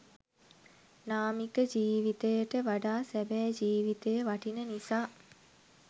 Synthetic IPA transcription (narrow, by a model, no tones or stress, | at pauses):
naːmikəd͡ʒiːʋit̪əjəʈəʋaɖaːsæbɛːd͡ʒiːʋit̪ejəʋaʈinənisaː